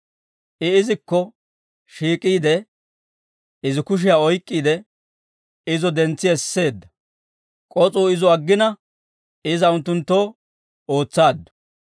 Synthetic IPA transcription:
ʔɪɪzɪkːɔ | ʃiːkʼːiːd̪ɛ | ɪzɪkʊʃ̬ɪjaːɔjkʼːiːd̪ɛ | ɪzɔd̪ɛnt͡sːɪɛsːe̞ːd̪ːɐ | kʼɔt͡sʼuːɪzɔɐɡːɪnɐ | ɪzɐʊnt̪ːʊnt̪ːo̞ː | oːt͡sːaːd̪ːɔ̥

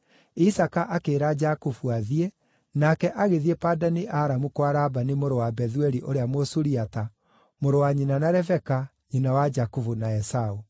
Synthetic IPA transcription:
isakaʔakeːɾad͡ʒakufuaðie | nakɛʔaɣeðiepadaneʔaɾamukwaɾabanemoɾowabɛðuɛɾiʔoɾeamosuɾiata | moɾowaɲinanaɾɛvɛka | ɲinawad͡ʒakufunaɛsau

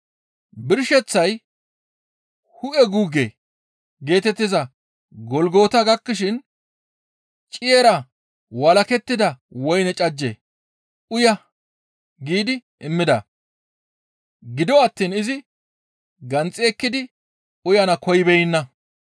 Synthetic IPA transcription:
bɪɾʃɛt͡sːɐj | hʊʔɛɡuːɡḛː | ɡe̞ːt̪ɛt̪ːɪzɐ | ɡɔlɡo̞ːt̪ɐɡɐkːɪʃɪn | t͡ʃʼɪjeːɾɐ | wɐlɐkɛt̪ːɪd̪ɐwɔjnɛt͡ʃʼɐd͡ʒːḛː | ʊjɐ | ɡiːd̪ɪʔɪmːɪd̪ɐ̰ | ɡɪd̪ɔɐt̪ːiːnɪzɪ | ɡɐnt͡sʼɪɛkːɪd̪ɪ | ʊjɐnɐkɔjɪbɛjɪnːɐ

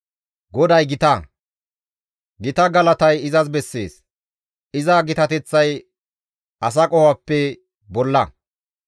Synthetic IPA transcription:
ɡɔd̪ɐjɡɪt̪ɐ | ɡɪt̪ɐɡɐlɐt̪ɐjɪzɐsbɛsːḛːs | ɪzɐɡɪt̪ɐt̪ɛt͡sːɐj | ʔɐs̬ɐkʼɔhapːɛ | bɔlːɐ

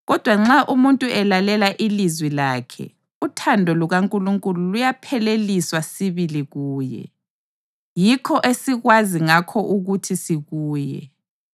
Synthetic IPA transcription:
ɣɔd̥ʱwaŋ͡ǁaʔumuntʼuɛlalɛlaʔilizwilaːkʰɛ̰ | utʰandʱɔluɣaŋkʼuluŋkʼululujapʰɛleliswasiβiliɣuːjɛ̰ | jikʰɔʔesiɣwaziŋakʰɔʔuɣutʰisiɣuːjɛ̰

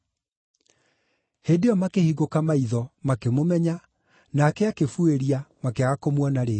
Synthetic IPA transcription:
hedeɔmakehiɣokamaiðɔmakemomɛɲa | naːkɛakefueɾiamakeaɣakomwɔnaɾe

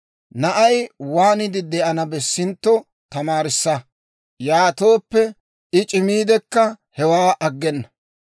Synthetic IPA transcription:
nɐʔɐjwaːnɪd̪ɪd̪ɛʔɐnɐbɛsːɪnt̪ːɔ | t̪ɐmaːɾɪsːɐ | jaːt̪oːpːɛ | ɪt͡ʃʼɪmiːd̪ɛkːɐ | hɛwaːʔɐɡːɛnːɐ

